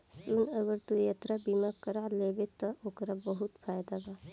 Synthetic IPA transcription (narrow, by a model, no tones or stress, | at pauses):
d͡ʒunəɡəɾt̪ujət̪ɾabimakəɾaleːbet̪ɔʔokɾabəɦut̪fʰaːjd̪aba